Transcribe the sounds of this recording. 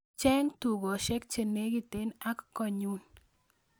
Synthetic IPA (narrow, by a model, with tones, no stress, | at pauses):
t͡ʃɛ˦ŋtu˨ɡɔ˨ʃɛ˦k̚t͡ʃe˨ne˦ɡi˦˨t̪e˨˦na˦kkːɔ˨ɲu˦n